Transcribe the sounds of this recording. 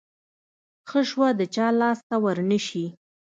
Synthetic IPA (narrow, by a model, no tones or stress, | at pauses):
xəʃwad̪ət͡ʃɑlɑst̪awəɾnəʃi